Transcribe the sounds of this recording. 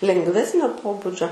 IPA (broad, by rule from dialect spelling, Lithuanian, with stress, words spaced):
lʲɛŋɡˈʋʲæːsʲnʲoː ˈpoːbʊd͡ʒʲoː